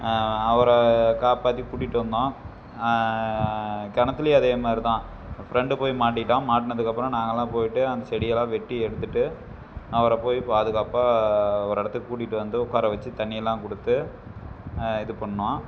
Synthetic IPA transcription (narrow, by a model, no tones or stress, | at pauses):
ɐʋɐɾɐkaːpaːt̪̬ːikuːʈːɪʈːɯʋɐnd̪õː | kɐnɐt̪ːɪlɐjeɐðeːmaːd̪ɾit̪ãː | fɪɾɛɳɖɯpoːjimaːʈ̬ːɪʈːãːmaːʈːɪnɐðɯkːɐpːɯɾɔ̃naːŋɡɐlːãːpoːjɪʈːɯɐnd̪ɐsɛɽɪjɛlːãːʋɛʈːiɛɽɯt̪ːɯʈːɯ | ɐʋɐɾɐpoːjipːɐðɯkːɐpːaɐʋɐɾɛɽɐt̪ːɯkːɯkuːʈ̬ːɪʈːɯʋɐnd̪ɯʊkːaːɾɐʋɐt͡ʃːɯt̪ɐɳːɪjɛlːãːkɔɽɯt̪ːɯ | ɪðɯpɐɳːɯʋãː